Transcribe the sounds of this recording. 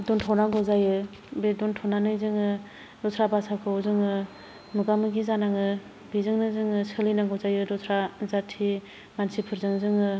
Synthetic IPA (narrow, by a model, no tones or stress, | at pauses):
dɔntʰɔwnaŋɡɔzajɯ | bedɔntʰɔwnanɯjzɯŋɯ | dɔtʰɾabasakʰɯwzɯŋɯ | mɯɡamɯɡizanaŋɯ | bizɯŋnɯzɯŋɯsɯlinaŋɡɔwzajɯdɔtʰɾazatʰi | mansipʰɯɾzɯŋzɯŋɯ